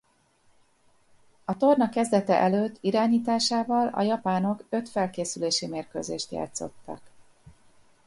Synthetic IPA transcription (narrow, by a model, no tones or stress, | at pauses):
ɒt̪o̞rnɒkːɛzd̪ɛt̪ɛ̰ʔɛløːt̪ːiɾaːɲiːt̪aːʃaːvɒlɒ̰jɒpaːno̞køt̪fɛlkeːsyleːʃimeːrkø̰ːzḛːʃt̪ja̰ːt̪so̞̰t̪ːɒ̰k